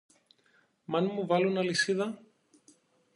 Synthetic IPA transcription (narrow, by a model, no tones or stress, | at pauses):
mɐnmuvɐlunɐlisiðɐ